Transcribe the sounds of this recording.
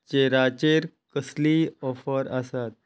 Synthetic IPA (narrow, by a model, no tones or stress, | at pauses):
t͡ɕeɾat͡ɕeɾ | kəsliɔfəɾasat̪̚